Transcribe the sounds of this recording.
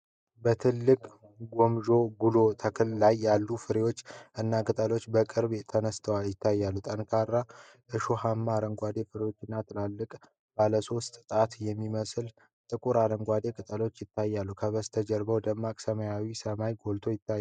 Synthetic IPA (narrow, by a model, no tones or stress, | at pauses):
bət̪ʰɨlːɨkʼ | ɡo̞mʒo̞ɡulo̞t̪ʰəkʰɨlːajːalːufɨɾewo̞t͡ʃːʔɨnːakʼɨt̪ʼəlo̞t͡ʃːbəkʼɨɾbt̪ʰənəst̪ʰəwaljɪt̪ʰːajːalːut̪ʼənkʰaɾːa | ʔɨʃoɦamːaɾəŋɡʷad̪e̞fɨɾewo̞t͡ʃːɨnːat̪ʰɨlalːɨkʼ | b̥aləso̞st̪ʼɨt̪ʼat̪jɛmːiməsɨl | t̪ʼɨkʼuɾaɾəŋɡʷad̪e̞kʼɨt̪ʼəlo̞t͡ʃːjɪt̪ʰːajːalːukʰəβəst̪ʰəd͡ʒɛɾbəwd̪əmːakʼsəməjawisəmajɡo̞lt̪ʰo̞jɪt̪ːaj